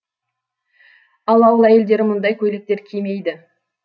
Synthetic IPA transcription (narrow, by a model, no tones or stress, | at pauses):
ɑlˠɑwəlˠæje̞ld̪e̞ɾɪmʊnd̪ɑjkʲʰɵjlek̚t̪e̞ɾkʲʰejme̞jd̪ɪ